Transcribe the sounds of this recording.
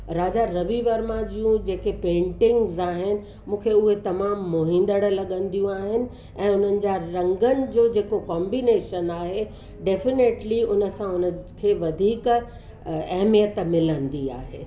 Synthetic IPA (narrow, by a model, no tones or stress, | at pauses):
ɾaːd͡ʑaɾɐʋiʋəɾmãd͡ʑiũd͡ʑeːkepẽːɳʈɪ̃ŋɡzaːɦɪnɪ̆ | mũːkʰeʊɦet̪ɐmaːmːoɦɪ̃n̆d̪əɽ̆lɐɠə̃nd̪ijũaːɦɪnɪ̆ | ɛ̃ːʊn̤ənɪ̆d͡ʑaɾɐ̃ŋɡənɪ̆d͡ʑoːd͡ʑeːkokɔ̃ːmbineːʃənaːɦe | ɖeːfɪneːʈliʊnə̆sãʊnəkʰeːʋɐd̪ʱiːk | ɐɦmijət̪mɪlə̃nd̪ia̰ːɦḛː